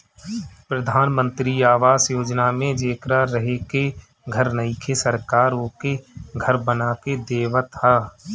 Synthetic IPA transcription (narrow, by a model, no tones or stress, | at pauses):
pɾəd̪ʱaːnmə̃nt̪ɾiaːʋaːzjoːd͡ʒnamẽd͡ʒeːkɾaɾəɦeke | ɡʱəɾnəikʰesəɾkaːɾoːkeɡʱəɾbənaːked̪eːʋat̪ʰaː